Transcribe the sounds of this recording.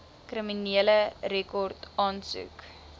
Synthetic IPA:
kriminiələɾekɔrtɑːnsʉ̰k

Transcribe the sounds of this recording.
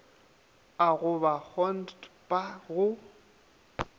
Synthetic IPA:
aɣʊbak͡xɔnddbʼaɣʊ

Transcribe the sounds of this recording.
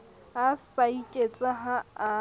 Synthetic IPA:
asaikʼet͡sʼaɦaa

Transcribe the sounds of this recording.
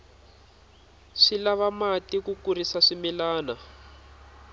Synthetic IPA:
ʂilaβamatikukuɾisaʂimilaːna

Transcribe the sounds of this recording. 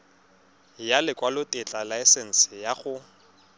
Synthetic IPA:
jalɪkʼwalʊtʼɪt͡ɬʼalaɪsɛn̩sɪjaχʊ

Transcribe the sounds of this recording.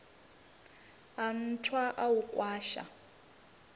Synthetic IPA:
an̩tʰwaʔawukʼwaːʃa̰

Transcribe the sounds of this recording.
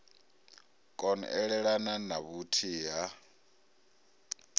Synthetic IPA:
kʼɔnʔɛɺɛɺananaβutʰiɦa

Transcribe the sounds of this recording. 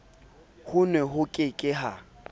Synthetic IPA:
hʊnwɛɦʊkʼɪkʼɪɦa

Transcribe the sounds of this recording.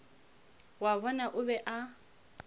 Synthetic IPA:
waβɔnaʔʊbɛʔa

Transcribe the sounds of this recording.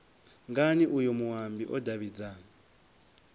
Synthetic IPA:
ŋɡaniʔujɔmuɦambiʔɔdaβid͡za

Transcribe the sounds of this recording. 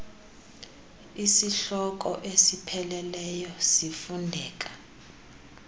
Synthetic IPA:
isiɬɔk̬ʼɔʔesipʰɛlɛlɛjɔsifundʱɛːk̬ʼḁ

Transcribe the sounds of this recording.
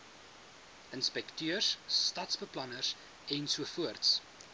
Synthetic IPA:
ʔənspɛktøərsːtɐtsbəplɐnərs | ɛnsuəfuərts

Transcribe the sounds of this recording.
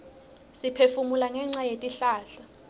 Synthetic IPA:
sipʰefumulaŋɛŋ͡ǀajetʼiɬaːɬa

